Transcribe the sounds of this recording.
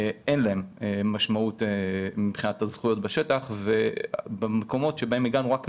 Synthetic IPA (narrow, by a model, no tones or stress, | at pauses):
enlae̞memːaʃmautemibχinat̪azχujo̞tbaʃetaχve̞bemeko̞mo̞tʃe̞baemiɡanuʁak